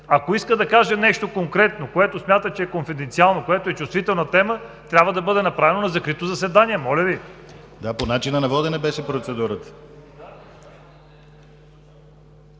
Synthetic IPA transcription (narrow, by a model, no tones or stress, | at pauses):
akoiskəd̪ɐkaʒənɛʃt̪okoŋkɾɛt̪nokoɛt̪osmʲjat̪ət͡ʃɛɛkonfid̪ɛnt̪sialˠnokoɛt̪oɛt͡ʃust̪vit̪ɛlˠnɐt̪ɛmət̪ɾʲabvəd̪ɐbɤd̪ɛnɐpɾavɛnonɐzɐkɾit̪ozɐsɛd̪aniɛmɔlʲəvi | d̪aponat͡ʃinənɐvɔd̪ɛnɛbɛʃɛpɾot̪sɛd̪uɾət̪ə̥